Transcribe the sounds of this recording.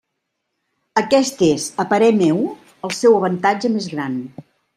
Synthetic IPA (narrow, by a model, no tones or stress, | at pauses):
əkɛst̪ezəpəɾɛmew | əlˠsɛwəβ̞ənt̪ad͡ʒəmezɣɾan